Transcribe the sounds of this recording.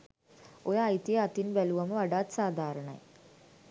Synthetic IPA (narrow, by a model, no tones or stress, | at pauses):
ojaɐjt̪ːijɐɐt̪ːinʋɐluʋɐmɨʋɐɽaːt̪saːd̪ʱaːɾɐɳɐ̰